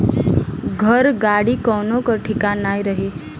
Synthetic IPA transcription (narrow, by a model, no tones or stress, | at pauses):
ɡʱəɾɡaɽikɔwnokəɾʈʰikanajɾəɦi